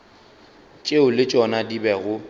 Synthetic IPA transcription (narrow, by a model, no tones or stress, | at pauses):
t͡ʃʼeʊlɪt͡ʃʼɔnadibɛɣʊ